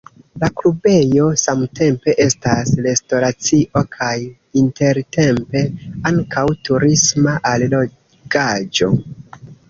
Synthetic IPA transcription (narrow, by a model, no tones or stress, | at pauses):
laklube̞jo̞samte̞mpe̞ʔe̞stasle̞sto̞ɾat͡siʔo̞kʰaj | inte̞ɾte̞mpe̞aŋkawtuɾismaʔallo | ɡad͡ʒo̞̰